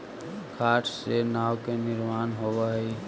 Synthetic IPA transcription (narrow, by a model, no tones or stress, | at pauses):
kʰaːʈʰsenaːwkenɪɾmaːnɦoʋaɦi